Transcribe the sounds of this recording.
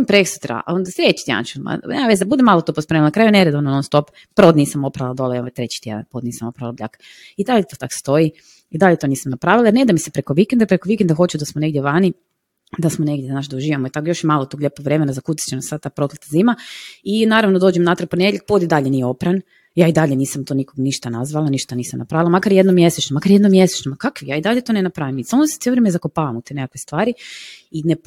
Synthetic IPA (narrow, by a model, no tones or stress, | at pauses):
ompɾeksu̥t̪ɾa̰ond̪asɾet͡ɕi̥t̪ja̰nt͡ʃuma̰nemaʋezd̪abud̪emaːlˠot̪opospemlnakɾaːjuneɾed̪oʋanononst̪o̞p | pɾod̪niːsamopɾaʋlad̪olojoʋet̪ɾet͡ɕi̥t̪ʲjḛd̪a̰npod̪niːsamopɾaʋlablʎa̰kḁ | id̪aʎet̪ot̪akst̪o̞i | id̪aʎet̪oniːsamnapɾaːʋilaiɾned̪amisepɾekoʋikend̪apɾekoʋikend̪axot͡ʃud̪asmone̞ɡd̪ʲjeʋaːni | d̪asmoneɡd̪ʲjeznaːʃd̪auʒiːʋamoit̪akojo̞ʃjemaːlˠot̪oɡlʎepoɡʋɾe̞menazakut̪i̥t͡ɕt͡ʃenasad̪̚t̪aːpɾo̞t̪let̪aziːmainaːɾaʋnod̪oːd͡ʒemnat̪ɾaponeeʎek̚pod̪id̪aʎenijeo̞pɾan | jaːid̪aʎeniːsamt̪o̞nikoɡniʃt̪anazʋalaniʃt̪aniːsamna̰pɾaːʋilˠamakaɾjed̪nomje̞set͡ʃɲomakaɾje̞d̪nomjese̥t͡ʃɲomakakʋijaːid̪aʎet̪onenapɾaʋimisamose̥t̪eloɾemezakopaːʋamut̪enekakʋest̪ʋaːɾiinep